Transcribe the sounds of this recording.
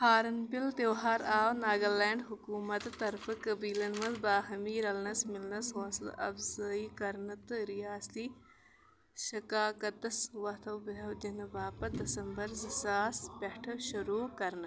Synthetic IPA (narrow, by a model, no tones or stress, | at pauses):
haːɾɐnpilt̪eːɦaːɾaːwnaːɡɐleːɳɖɦukuːmɐt̪t̪ːɐɾfɨkɐbiːlɐnmɐzbaːɦɐmiːɾɐlnɐsmɪlnɐsɦoːsl̰ʔɐ̰bzɐːiːkɐɾnɨt̪ɨɾijaːst̪i | ʃɐkaːkɐt̪ɐsʋɐt̪ʰɐwbɐɦɐwd͡ʒɐnɨbaːpɐd̪ɐsɐmbɐɾzisaːspʲɐʈʰɐʃuɾuːkɐɾnɨ